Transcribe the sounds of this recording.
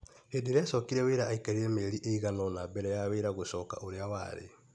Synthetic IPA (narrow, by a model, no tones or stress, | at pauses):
heːdeɾɛsɔkiɾɛweɾaːikaɾiɾɛmeɾiʔeiɣanɔnabɛɾɛjaweɾaɣosɔːka̰ʔoɾeawa̰ɾḛ